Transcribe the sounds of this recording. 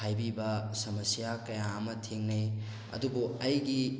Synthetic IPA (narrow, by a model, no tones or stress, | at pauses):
ajbibɐsɐmɐsijakɐjamɐtʰiŋnij | ɐ̰dubuɐjɡi